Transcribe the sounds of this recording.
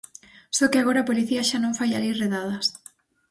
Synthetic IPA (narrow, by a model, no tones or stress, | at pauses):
sɔkeaɣoɾɐːpoliθiɐʃanõŋfajalireðað̞ɐs